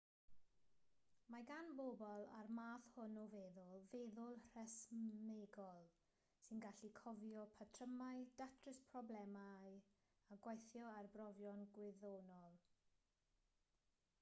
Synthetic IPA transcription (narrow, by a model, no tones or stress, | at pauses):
maɡanboːbɔlˠa̰rmaːθhʊnɔvɛðʊlˠvɛðʊlˠr̥ɛsmeɡɔlˠ | sɪnɡaɬikʰɔvjɔpʰatʰrəmajd̥atʰrɪspʰrɔblɛmaj | aɡwajθjɔarbrɔvjɔnɡwɪðonɔlˠ